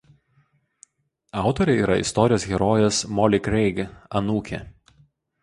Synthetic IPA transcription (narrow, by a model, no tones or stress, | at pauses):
ɑˑʊt̪ɔɾʲɛiːɾɐɪ̰st̪ɔɾʲɪjoːsɣʲɛɾɔːjɛsmɔlʲɪkɾʲɛɪɡɐnuːkʲɛ̰